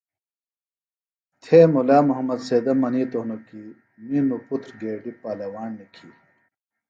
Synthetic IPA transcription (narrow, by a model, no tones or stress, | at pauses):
t̪ʰeːmulaːmuɦɐmɐd̪seːd̪ɐmɐniːt̪oɦnoki | minuput̪ʰɾɡeːɖipaːlɐwaːnːikʰi